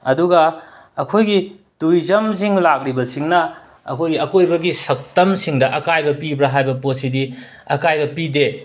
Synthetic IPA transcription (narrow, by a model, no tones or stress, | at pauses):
ɐduɡɐ | ɐkʰojɡi | tuɾizɐmziŋlak̚ɾibɐsiŋnɐ | ɐ̰kʰojɡiɐkojbɐɡisɐk̚tɐmsiŋdɐʔɐkajbɐpibɾɐɦajbɐposidi | ɐkajbɐpide